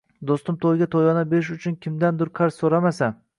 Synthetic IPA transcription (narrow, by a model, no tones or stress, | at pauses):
d̪ost̪ɪmt̪ʰojɡʲat̪ʰojɒnabeɪʃ̬ʊt͡ʃʰʊnkʲʰɪmd̪and̪ʊɾqʰaɾssoɾamasa